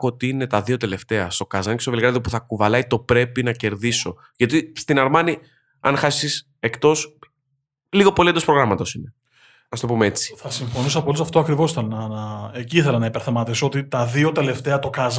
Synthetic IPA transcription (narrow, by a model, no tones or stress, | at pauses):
ot̪iine̞t̪ɐðio̞t̪e̞le̞ft̪e̞ɐst̪o̞kɐzɐncest̪oelɣɾɐðiopuθɐkuvɐlɐjit̪o̞pɾe̞pinɐce̞ɾðiso̞ | ʝɐt̪ist̪inɐɾmɐni | ɐ̰nxɐsis | e̞kt̪o̞s | liɣo̞po̞liend̪ospɾo̞ɣɾɐmɐt̪o̞sine̞ | nɐst̪opumee̞t͡si̥θɐsiɱfo̞nisɐpolisɐft̪oɐkɾivo̞sθɐnɐnɐeciiθelɐnɐipeɾθemɐt̪isoot̪it̪ɐðio̞t̪e̞le̞ft̪e̞ɐt̪o̞kɐz